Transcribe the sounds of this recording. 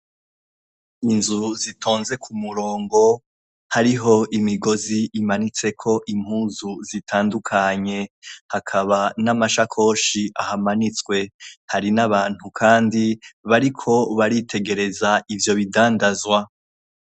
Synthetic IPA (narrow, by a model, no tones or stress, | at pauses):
inzuzitʰo̞ːnze̞kʰumuɾo̞ːŋɡo̞ | haɾiɦo̞ʔimiɡo̞ziʔːmanit͡se̞kʰo̞ʔim̥huːzuzitʰaːndukʰaɲe̞hakʰaβanamaʃakʰo̞ːʃiʔahamanit͡swe̞haɾinaβaːn̥hukʰaːndiβaɾikʰo̞βaɾitʰe̞ɡe̞ɾe̞zaʔivjo̞βidaːndazwa